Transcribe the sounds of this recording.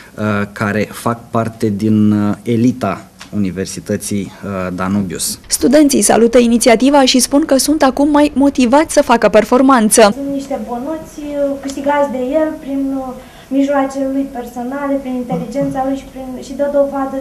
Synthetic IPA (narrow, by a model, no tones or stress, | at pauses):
kaɾe̞fak̚part̪e̞d̪inelit̪aunive̞rsit̪ət̪sijd̪anobjṵsst̪ud̪e̞nt̪sijsa̰lut̪əinit̪siat̪ivaʃispunkəsunt̪akumːajmo̞t̪ivat̪sʲsəfakəpe̞rfo̞rmant̪səsunt̪niʃt̪e̞bonut̪sʲkɨʃt̪iɡat̪sʲd̪e̞je̞lpɾin | miʒloat͡ʃelujpe̞rso̞nale̞pɾinint̪e̞lid͡ʒe̞nt̪salujʃpɾinʃid̪əd̪o̞vad̪ə